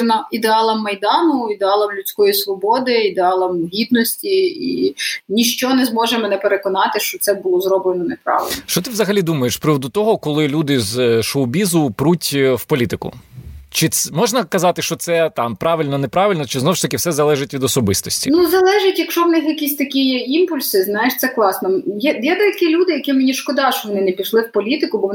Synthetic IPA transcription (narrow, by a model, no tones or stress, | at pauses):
nɐid̪eɑlˠɐmːɐjd̪ɑnʊid̪eɑlˠɐmlʲʊt͡sʲkɔjisʋɔbɔd̪ɪid̪eɑlˠɐmɦʲid̪nɔsʲtʲiḭnʲiʃt͡ʃɔnɛzmɔʒemɔnɛpeɾekɔnɑt̪ɪʃt͡ʃɔtsɛbʊlˠɔzɾɔblenɔnepɾɑ̰ʋɪ̰lnnʃt͡ʃɔt̪ɪʋzɐɦɐlʲid̪umɐjeʃspɾɪʋɔd̪ʊt̪ɔɦɔkɔlˠɪlʲud̪ɪzʃɔwbʲizʊpɾutʲwpɔlʲit̪ɪkʊ̰t͡ʃɪmɔʒnɐkɐzɑt̪ɪʃt͡ʃɔt̪sɛt̪ɑmpɾɑʋɪlʲnɔnepɾɑʋʲɪlʲnɔt͡ʃɪznɔwʃt̪ɐkɪwsɛzɐlˠɛʒɪtʲʋʲid̪ɔsɔbɪst̪ɔsʲtʲinuzɐlˠɛʒɪtʲjɐkʃɔʋnɪxjɐkʲisʲt̪ɐkʲijɛimpʊlʲsɪznɑjeʃt̪sɛklˠɑsnɔjɛd̪jɛd̪ɛjɐkɪlʲud̪ɪjɐkʲimenʲiʃkɔd̪ɑʃɔʋɔnɪnɛpʲiʃlˠɪwpɔlʲit̪ɪkʊbɔʋɔ